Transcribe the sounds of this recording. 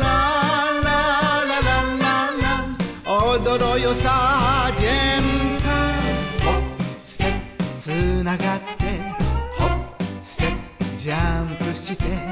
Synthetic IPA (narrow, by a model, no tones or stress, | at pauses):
na | ananaana | od̪oɾojosad͡ʑemka | si̥t̪et͡sɨnaɡat̪ːeosi̥t̪ed͡ʑampɯɕit̪e